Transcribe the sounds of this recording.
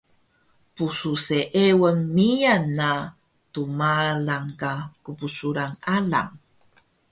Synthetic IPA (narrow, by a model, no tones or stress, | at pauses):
pususeʔewənmijanːa | tumalaŋkakupusuɾaŋala̰ŋ